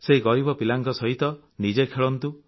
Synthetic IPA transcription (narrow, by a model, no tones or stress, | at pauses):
seɦiɡɔɾibɔpilaŋkɔsɔɦit̪ɔ | nid͡ʒekʰeɭɔnt̪u